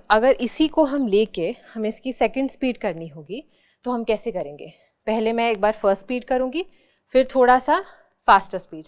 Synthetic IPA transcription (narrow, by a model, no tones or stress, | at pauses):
ɐɡəɾɪsikoɦɐmleːkehɐmɪskisɛːkə̃ɳɖspiːɖkɐɾniɦõːɡi | t̪oɦɐmkɛːsekɐɾẽːŋɡeː | pɛɦlemɛ̃eːk̚baːɾfəɾsʈspiːɖ̚kɐɾũːŋɡi | fɪɾt̪ʰoːɽasa | faːsʈəɾspiːɖ